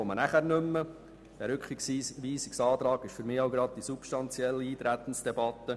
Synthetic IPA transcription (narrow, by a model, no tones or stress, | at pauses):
ɔmənæχæɾnʏmːə | d̥ɛɾʏkχiksʋiːsiksɑːt̪ɾɑːɡ̥ɪʃfʏɾmɪːaʊɡɾɑd̥̚d̥isupʃtɑnt͡sjɛlːiiːt̪ɾæt̪ən̩sd̥ɛbɑt̪ːə